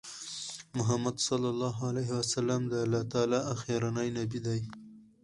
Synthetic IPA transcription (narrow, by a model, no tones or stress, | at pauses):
mʊɦamad̪sɑlːalːɑɦaleɦɪwasalamd̪əalːɑt̪ɑlaaxeɾanajnabid̪aj